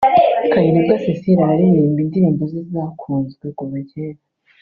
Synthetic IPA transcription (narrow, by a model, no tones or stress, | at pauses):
kajiɾibɡasesiɾaaɾijiːmbindiɾiːmbozizzaːkʰuːnzɡweɡoβaɟeɾa